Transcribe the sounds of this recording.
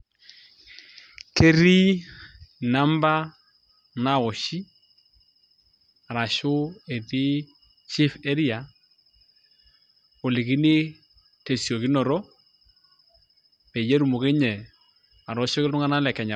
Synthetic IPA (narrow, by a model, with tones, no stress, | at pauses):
ke˦ɾi˦ | na˦mba˦ | na˦˨ɔ˨ʃi˦ | a˨ɾa˨ʃʊ˦e˨ɾi˦ | t͡ʃi˦fɛ˦ɾi˦a˨ | o˨lɪ˨ki˦ni˦ | te˨sɔ˨ki˦nɔ˨ɾɔ˦ | pɛ˨je˦ɾu˨mʊ˨ke˦ɲɛ˨ | a˨ɾɔ˨˦ʃɔ˦kɪ˦lʊ˦ŋa˦na˦lɛ˨kɛ˨ɲa˨